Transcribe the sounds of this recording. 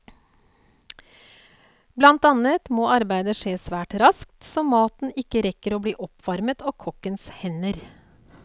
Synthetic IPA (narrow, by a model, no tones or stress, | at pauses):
blɑnt̪ɑnət̪moːɑɾbæɪd̪əʂeːsʋæːʈɾɑskt̪sɔːmɑːt̪n̩ɪkəɾɛkəɾoːbliːʔɔpʰʋɑɾmət̪ʰɑːkʰɔkːənshɛnəɾ